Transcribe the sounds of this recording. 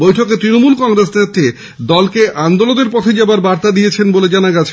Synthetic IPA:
bojʈʰoket̪ɾinomulkɔŋɾesnet̪ːe | d̪ɔlkeʔand̪oloneɾpɔt̪ʰed͡ʑɛbaɾbaɾt̪ad̪ijet͡ɕʰenboled͡ʑanaɡat͡ɕʰe

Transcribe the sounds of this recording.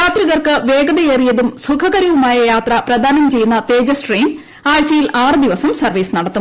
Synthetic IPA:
jaːt̪riɣɐrkɨʋe̞ːɡɐðɐeːrijɐðumsukʰɐɣɐɾiʋumaːjɐjaːt̪rɐprɐd̪ʱaːnɐmt͡ɕe̞jːunːɐt̪e̞ːd͡ʑɐsʈriːn | aːɻt͡ɕɐjilʔaːrɨd̪iʋɐsɐmsɐrʋiːsnɐɽɐt̪ːu

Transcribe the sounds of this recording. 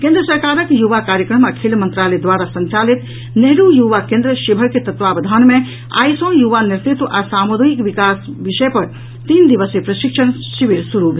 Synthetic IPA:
kẽnd̪ɾəsəɾkaɾəkjuʋakaɾjəkɾəmakʰelmənt̪ɾaled̪ʋaɾasənt͡ʃalit̪ | neɦɾujuʋakẽnd̪ɾəʃibʱəɾket̪ət̪ʋabəd̪ʱanme | a̰jsə̃juʋaniɾt̪it̪ʋʔasamud̪ʱikbikasbiʃəepəɾ | t̪ind̪iʋəsepɾəʃikʃʰən | siʋiɾsuɾubʱe

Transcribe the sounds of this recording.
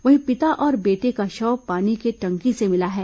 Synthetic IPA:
ʋɐɦĩpɪt̪aʔɔːɾbeːʈekaʃɔːpaːnikeʈɐ̃ŋkisemɪlaɦɛː

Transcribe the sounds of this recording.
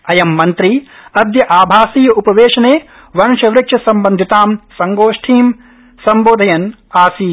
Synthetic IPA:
ɐjɐmːɐnt̪ɾiɐd̪ʱjɐʔaːbʱaːsiːjɐupɐʋeːʃɐneː | ʋɐnʃɐʋɾɪkʂɐsɐmbɐnd̪ʱit̪aːmsɐŋɡoːʂʈʰiːm | sɐmboːd̪ʱɐjɐn | aːsiː

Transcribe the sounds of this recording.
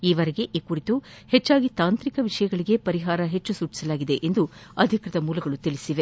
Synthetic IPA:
iːʋɐɾeɡe̞ʔikuɾit̪u | het͡ʃːaːɡit̪aːnt̪ɾikɐʋiʂɐjɐɡɐɭiɡe̞pɐɾiɦaːɾɐɦet͡ʃːusuːt͡ʃːi̥sɐlaːɡid̪e̞ʔend̪uɐd̪ʱikɾɐd̪ɐmuːlɐɡɐɭut̪ilisiʋe̞

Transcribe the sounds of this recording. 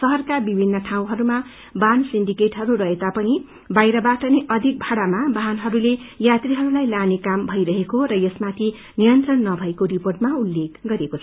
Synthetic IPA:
sʌɦʌrkabibʱinːʌʈʰaw̃ɦʌɾuma | bansinɖikeʈɦʌɾuɾʌɦet̪apʌni | bajɾʌbaʈʌneʔʌd̪ʱik̚bʱaɽamabaɦnɦʌɾulejat̪riɦʌɾulajlanekambʱʌjɾʌɦekoɾʌjʌsmat̪ʰi | nijʌnt̪rʌnːʌbʱʌekoɾiporʈmaulːekɡʌɾekot͡sʰ

